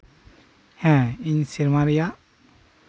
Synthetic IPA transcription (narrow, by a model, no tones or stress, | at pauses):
hɛ̃iɲsiɾmaɾija